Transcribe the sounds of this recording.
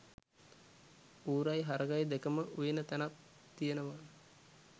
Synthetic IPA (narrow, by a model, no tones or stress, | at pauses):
uːɾajɦaɾəɡajd̪ekəməʔujenət̪ænat̪ː | ijenəʋa